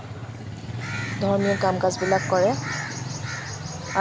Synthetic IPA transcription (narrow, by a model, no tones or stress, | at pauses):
dʱɔɹmiɔkamkazbilakːɔɹɛ | a